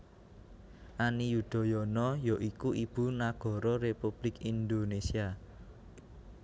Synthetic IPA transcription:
ʔanijud̪̥ɔ̤jɔnɔjɔʔikuʔib̥unaɡ̥ɔ̤ɾɔɾepub̥lɪkind̪onesia

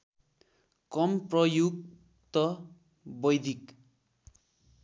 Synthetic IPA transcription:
kʌmprʌjuɡ̚ | t̪ʌ | bʌjd̪ʱik

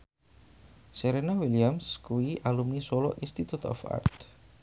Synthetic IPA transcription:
seɾenawiliamskuiʔalumnisolo̰ʔinst̪it̪ut̪ɔ̰fa̰rt̪

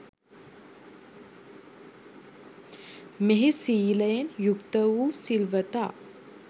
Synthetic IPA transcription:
meɦisiːləjenjukt̪əʋuːsilʋət̪a̰ː

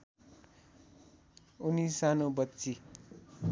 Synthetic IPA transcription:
unisanobʌtːt͡si

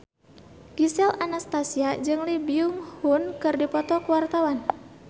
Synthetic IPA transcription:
ɡ̥isɛlanast̪asiad͡ʒɨŋlibiuŋhunkɨrdipɔt̪ɔkuwart̪awan

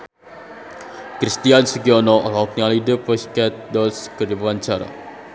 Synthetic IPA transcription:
kɾist̪iansəɡiɔnɔʔɔlɔk̚nialidəpəskɛt̪̚dɔlskəd͡ʒabuant͡ʃaɾa̰

